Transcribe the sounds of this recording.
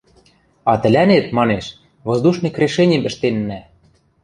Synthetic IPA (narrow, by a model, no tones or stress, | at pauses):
ɑt̪ɘ̆lʲænet̪̚mɑneʃ | βozd̪uʃnɤ̆krʲeʃenʲĕmɘ̆ʃt̪enːæ